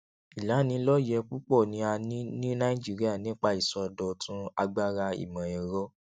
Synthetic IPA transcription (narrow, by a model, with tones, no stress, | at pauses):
i˨la˨˦˨nĩ˧˦lɔ˦jɛ˧k͡pu˦k͡pɔ˦˨nĩ˧˦a˧nĩ˦nĩ˦nã˦i˦d͡ʒi˦ɾi˦a˦˨nĩ˦k͡pa˧˦i˦˨sɔ˧dɔ˧tʰũ˦a˧ɡ͡ba˦ɾa˧ḭ˨mã˨ɛ˨ɾɔ˦